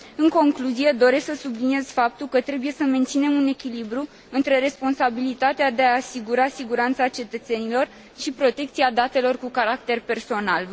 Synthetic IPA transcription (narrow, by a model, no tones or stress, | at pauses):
ɨŋko̞ŋkluzije̞d̪o̞ɾe̞sksəsublinije̞z̥fap̚t̪ulkət̪ɾe̞buje̞səme̞nt̪sine̞mune̞kʲilibɾu | ɨnt̪ɾe̞ɾe̞spo̞nsabilit̪at̪ead̪eaːsiɡuɾasiɡuɾant̪sat͡ʃe̞t̪ət̪se̞nilo̞r | ʃipɾo̞t̪e̞k̚t̪siad̪at̪e̞lo̞rkukaɾak̚t̪e̞rpe̞rso̞nal